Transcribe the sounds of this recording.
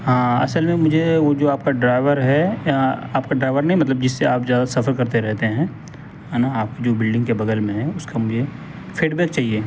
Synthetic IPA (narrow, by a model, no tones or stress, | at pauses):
ɦãːɐ̰səlmẽmʊd͡ʒʱeʋod͡ʒoːaːp̚kaɖɾaːɪʋəɾɦɛ | aːp̚kaɖɾaːɪʋəɾnɐɦĩmɐt̪ləbd͡ʒɪsːeaːpzjaːd̪asɐfəɾkɐɾt̪eɾɛɦt̪eɦɛ̃ː | ɦɛnaaːp̚kid͡ʒoːbɪlɖɪ̃ŋɡkebɐɡ̪əlmẽɦɛ̃ʊskamʊd͡ʒʱe | feːɖbɛːk̚t͡ʃaːɦieː